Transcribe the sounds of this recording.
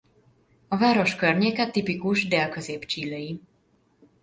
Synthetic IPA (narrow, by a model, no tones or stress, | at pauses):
ɒvaːɾo̞ʃkørɲeːkɛt̪ipikuʒd̪eːlkø̞zeːpt͡ʃiːlːeji